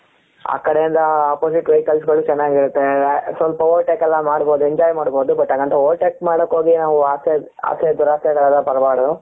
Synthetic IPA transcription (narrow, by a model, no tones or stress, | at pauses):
a̰ːkːɐɽɛjind̪ɐaːpoːsiʈɾɐjkɐlsɡɐɭːut͡ʃɛnːaːɡiɾut̪ːesʋɐlpɐoːʈeːkɛlːɐmaːɽboːd̪ueɲd͡ʒaːjmaːɽboːd̪ubɐʈ̪ːaːkːɐnt̪ɐoːlʈeːkmaːɽɐkːoːɡinaːʋuaːse | a̰ːsed̪uɾaːsɛɡɐɭɐd̪ɐpɐɾɐbaːɽɐd̪u